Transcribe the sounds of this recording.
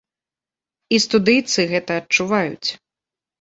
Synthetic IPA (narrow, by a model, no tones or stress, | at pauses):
ist̪ud̪ɨjt̪sɨɣɛt̪ɐːt͡ʂuvajut͡sʲ